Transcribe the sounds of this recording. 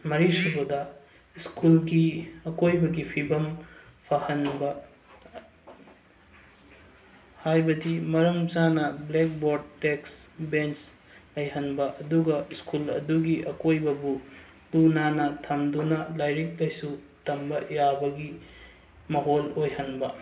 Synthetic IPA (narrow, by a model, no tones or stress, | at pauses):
mɐɾisubodɐ | iskulɡiɐkojbɐɡipʰibɐmpʰahɐnbɐ | hajbɐdimɐɾɐmt͡ʃanɐblek̚boɾ̚teksbent͡ʃ | lɐjɦɐnbɐʔɐduɡɐiskulɐ̰duɡiʔɐkojbɐbu | lunanɐtʰɐmdunɐlajɾik̚lɐjsu | tɐmbɐjabɐɡi | mɐɦolojhɐnbɐ